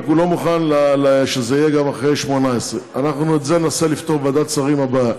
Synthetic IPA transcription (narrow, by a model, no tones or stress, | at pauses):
kulo̞muχanlaleʃezeijeɡamaχʁejʃmo̞naesʁeanaχnuet̪zeenaselift̪oʁvad̪att͡saʁimhaba